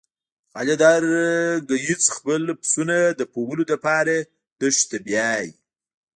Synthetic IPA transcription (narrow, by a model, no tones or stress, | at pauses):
ɑlad̪ɑɾɡəjit͡sxpəlpsunad̪əpowəlod̪əpɑɾa | t̪əʂt̪abjɑj